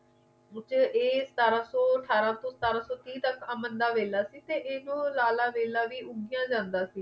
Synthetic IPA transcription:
t͡ʃeːsə̥t̪aːɾãːsɔːəʈʰaːɾãːt̪õːsət̪aːɾãːsɔːt̪ĩːt̪əkəːmənd̪aːʋeːlaːsiːt̪eːʔeːnõːlaːlaːʋeːlaːʋiːʊɡɪjãːd͡ʒãːnd̪aːsiː

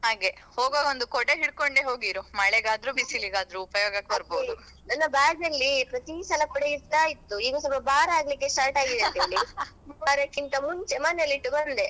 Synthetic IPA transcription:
ɦaːɡehoːɡoːond̪ukɔɽeɦiɽkoɳɖeɦo̞ːɡiːɾumɐɭeɡaːd̪ɾubisiliɡaːd̪ɾuːpɐjoːɡɐkːebɐɾboːd̪ | nɐnːɐbaːɡnɐlːipɾɐt̪isɐlɐkɔɽeiːaːjit̪ːuiːɡusɐbɐbaːɾɐaːɡlikːesʈaːɾʈaːɡid̪ɐnt̪elːimubaːɾɐkːint̪ɐmunt͡ʃɛmanːɐlːiʈːubɐnd̪e

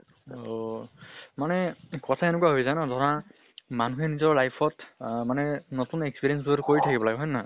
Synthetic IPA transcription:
o | manɛkɔtʰaenʊkuaɦojzajnadʱɔɹa | manuɦenizɔɹlajpʰɔtmanɛnotunekspiɹiɛns̬buɾkoɹitʰakibɔlaɡeɦɔjna

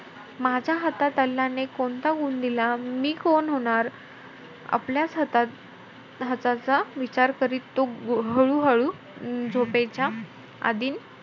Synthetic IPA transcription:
mad͡ʑʱjaɦət̪at̪əlːanekoɳt̪aɡuːnd̪ilamiːkonɦoɽ̃aɾ | a̰pljat͡sɦət̪a | ɦət͡sat͡saʋit͡ɕaɾkəɾiːlt̪ːoɦəɭuːɦəɭuː | d͡zʱopet͡ɕja | a̰d̪iːn

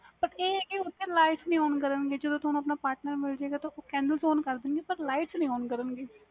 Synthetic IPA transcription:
pəʈeːkeʊt̪ʰːẽːlaːɪʈsnəĩːoːnkəɾənɡeːd͡ʒəd̪õːt̪onũɐpnaːpaːɾʈnəɾmɪld͡ʒaeːɡaːt̪ooːkɛ̃ːɳɖəlsoːnkəɾd̪ɪnɡeːpəɾlaːɪʈsnəĩːoːnkəɾənɡeː

